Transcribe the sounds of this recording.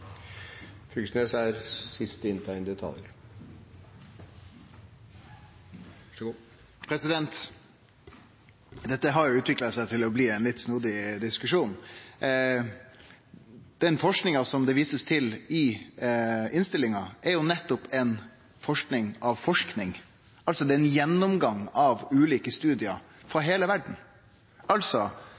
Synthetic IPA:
fʰʉɡsnesæɾsɪst̪ɪnt̪ʰɑɪnd̪ɛt̪ʰɑ̰ljə̰ɾ | pʰɾɛsɪd̪ɛnt̪ | d̪ɛt̪ːəɦɑɾjʊʉːt̪ʰʋɪklɑsæɪt̪ʰɪlɔbliːɛnlɪt̪ːsnuːd̪ɪd̪ɪskʉʂuːn | d̪̥ɛnfɔʂknɪŋɑsɔmd̪ɛʋiːsəst̪ʰɪlɪ | ɪnst̪ɪlːɪŋɑɛɾjʊnɛt̪ːɔpɛn | fɔʂknɪŋɑʋfɔʂknɪŋ | ɑlsɔd̪ɛɛnjɛnːʊmɡɑŋɑʋʉːliːkəst̪ʉːd̪ɪə | fɾɑɦeːləʋæɖɳ̩ | ɑlsɔ

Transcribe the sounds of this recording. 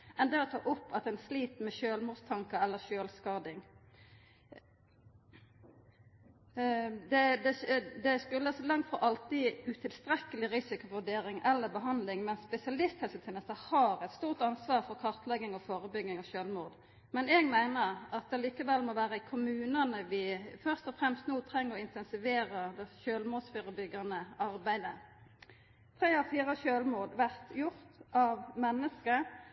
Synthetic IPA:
ʔɛnd̪ɛɔt̪ʰɑ̰ːʔʊpːɑt̪ɛnsliːt̪mɛʃøːlmuːd̪st̪ʰɑŋkəɛlːəʁʃøːlskɑːd̪ɪŋ | d̪ɛd̪ɛd̪ɛskʉlːəsɔlɑŋt̪fɔʔɑlt̪ɪʉt̪ʰɪlst̪ɾɛkəlɪʁɪsɪkʊʋʉɖeːɾɪŋɛlːəbəɦɑnd̪lɪŋmɛnsːpɛsɪɑlɪst̪hɛlsət̪ʰɛnəst̪əhɑʁɛt̪st̪uːʁt̪ɑnsʋɑːʁfɔʁkʰɑʁt̪lɛɡːɪŋɔfoːɾəbʏɡːɪŋɔʃøːlmuːd̪ | mɛneːɡmæɪnəʁɑt̪̚d̪ɛliːkəʋɛlmɔʋæːʁəɪkʰʊmʉːnɑnəʋɪfœʁst̪ɔfɾɛmst̪nuːt̪ʰɾɛŋːəɾɔɪnt̪ʰɛnsɪʋeːɾəd̪ɛʃøːlmuːsfyːɾəbʏɡɑnəɑɾbæɪd̪ə | t̪ʰɾeːɔfiːɾəʃøːlmuːd̪ʋæʁt̪jʊʁt̪ʔɑʋmɛnːəskə

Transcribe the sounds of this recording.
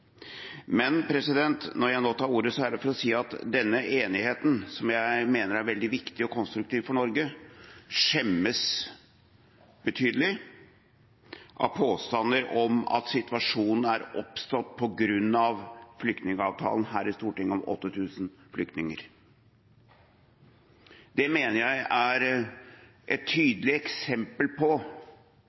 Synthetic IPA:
mɛnpʰɾɛsɪd̪ɛnt̪nɔɾjæɪnoːt̪ʰɑːɾuːɾəsɔæɖəfɔɾɔsiːɑt̪d̪ɛnːəʔeːnɪheːt̪n̩sɔmjæɪmeːnəɾæɾʋɛld̪ɪʋɪkt̪ɪɔkʰɔnst̪ɾʉkt̪iːʋfɔɳɔɾɡə | ʂɛmːəs | b̥ət̪ʰyːd̪əlɪ | ʔɑ̰ʋpʰoːst̪ɑnːəɾɔmɑ̰t̪sɪt̪ʋɑʂuːnn̩æɾʔɔpst̪ɔt̪̚pʰɔɡɾʉnːɑʋflʏk̚t̪nɪŋəɑːʋt̪ʰɑ̰ːlnɦæːɾɪst̪uːʈɪŋːəɔmʔɔ̰t̪ːət̪ʰʉːsn̩flʏkt̪nɪŋəɾ | d̪ɛmeːnəɾjæɪæɾ | ʔɛt̪ʰːyːd̪əlɪɛksɛmpəlpʰɔ

